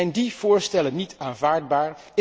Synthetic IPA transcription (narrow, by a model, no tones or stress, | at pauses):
ɛjndiv̥ʊːɹstɛlənitʰaːnvaːɹd̚baːɹ | ɪ